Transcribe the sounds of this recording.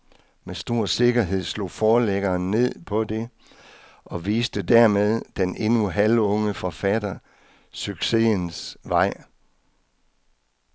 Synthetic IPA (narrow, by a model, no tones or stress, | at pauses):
mesd̥o̝ɐ̰se̝ɡ̥ɐɦe̝ð̞̰ˠslo̝̰ːfɒːleɡ̥ɐːnːe̝ð̞̰ˠpʰɒ̽de̝ | ʔɒ̽ʋiːsd̥əd̥æɐmeð̞ˠd̥enʔe̝nuɦælɔ̽ŋəfɒfæd̥ɐ | syɡ̥se̝̰ːnsʋɑ̈ɪ̰